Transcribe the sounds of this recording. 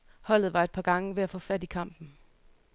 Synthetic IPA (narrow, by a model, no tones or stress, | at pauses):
hɒ̽l̰ð̩ˠʋɑ̈ed̥̚pʰɑ̈ɡ̥ɑ̈ŋəʋe̝æfɔ̽fæd̥ikʰɑ̈m̰b̥n̩